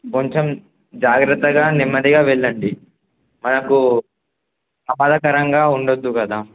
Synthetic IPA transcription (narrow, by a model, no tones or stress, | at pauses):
koɲt͡ʃem | d͡ʒaːɡɾɐt̪ːɐɡaːnimːɐd̪iɡaːʋɛɭːɐɳɖi | mɐnɐku | sɐmaːd̪ʱɐkɐɾɐŋɡaːuɳɖod̪ːukɐd̪aː